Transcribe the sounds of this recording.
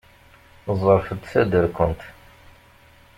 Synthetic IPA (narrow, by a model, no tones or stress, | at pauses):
zˤəɾˤfəd̪sæd̪əɾkʊnt̪